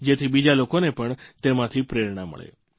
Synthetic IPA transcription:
d͡ʒet̪ʰibid͡ʒalokonepəɳt̪emãt̪ʰipɾeɾɳamə̰ɭḛ

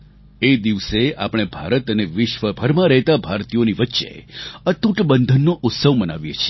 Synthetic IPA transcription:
ed̪iʋsea̰pəɽ̃ebʱaɾət̪əneʋɪʃʋəbʱəɾmãɾəɦt̪abʱaɾt̪ijoniʋətːʃḛət̪uʈbənd̪ʱənːoʔʊt̪səʋməna̰ʋjet͡ʃʰi

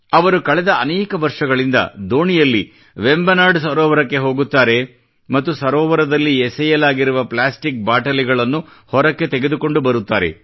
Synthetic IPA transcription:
ɐʋɐɾukɐɭɛd̪ɐɐnɛːkɐʋɐɾʂɐɡɐɭind̪ɐ̰d̪o̞ːnijɐlːi | ʋembɐnaːɾɖsɐɾɔːʋɐɾɐkːe̞ɦo̞ːɡut̪ːaːɾe̞ | mɐt̪ːusɐɾɔːʋɐɾɐd̪ɐlːiɛsɐjɐlaːɡiɾuʋɐplaːsʈik̚baːʈɐliɡɐɭɐnːu | hɔɾɐkːe̞t̪eɡe̞d̪uko̞ɳɖubɐɾut̪ːaːɾe̞̰

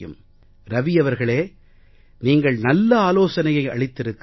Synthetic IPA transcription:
jɯ̰m | ɾɐʋɪjɐʋɐɾɣɐɭeː | niːŋɡɐɭnɐlːɐaːloːsɐnɐjɐɪɐ̰ɭɪt̪ːɪɾɯkː

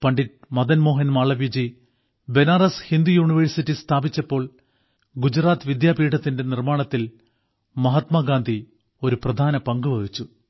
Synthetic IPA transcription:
pɐɳɖit̚mɐd̪ɐnmo̞ːɦɐnmaːɭɐʋid͡ʑi | be̞narɐshind̪ijuːɳiʋɐɾsitːist̪ʰaːbit͡ɕːɐpːo̞ːɭ | ɡud͡ʑraːt̪ɨʋid̪jaːbiːʈɐt̪ːinde̞nirmaːɳɐt̪ːil | mɐɦɐt̪maːɡaːnd̪ʱi | o̞ɾuprɐd̪ʱaːnɐpɐŋɡuʋɐðit͡ɕːu

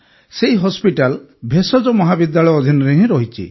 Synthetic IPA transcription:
seɦiɦɔspiʈalbʱesɔd͡ʒɔmɔɦabid̪jaɭɔjɔd̪ʱinɔɾeɦĩɾɔɦit͡ʃʰḭ

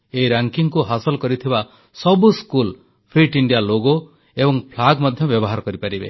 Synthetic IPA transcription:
eiɾaŋkiŋkuɦasɔlɔkɔɾit̪ʰiba | sɔbuskul | pʰɾiʈiɳɖijaloɡo | ebɔŋpʰlaɡmɔd̪ʱjɔbjɔbɔɦaɾɔkɔɾipaɾibḛ

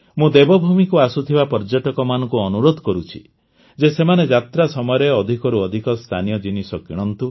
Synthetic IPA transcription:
mũd̪ebɔbʱumikuasut̪ʰibapɔɾd͡ʒɔʈɔkɔmanɔŋkuɔnuɾod̪ʱɔkɔɾut͡ʃʰḭ | d͡ʒesemaned͡ʒat̪ɾasɔmɔjɔɾeɔd̪ʱikɔɾuɔd̪ʱikɔst̪ʰanijɔd͡ʒinisɔkiɽ̃ɔnt̪u

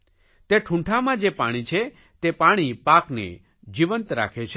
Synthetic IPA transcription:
t̪eʈʰũɳʈʰamãd͡ʒepaɽ̃it͡ʃʰe | t̪epaɽ̃ipaknḛ | d͡ʒiʋənt̪ɾa̰kʰet͡ʃʰe

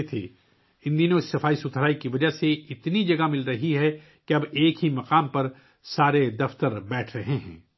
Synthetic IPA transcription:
t̪ʰḛː | ɪ̃nd̪iːnoɪsːɐfaːisʊt̪ʰɾaːikiʋɐd͡ʒaɦseɪt̪nid͡ʒɐɡamɪlɾɐɦiɦɛ | keɐbeːkɦimɐqaːmpɐɾ | saːɾed̪ɐft̪əɾbɛːʈʰɾɐɦeɦɛ̰̃ː

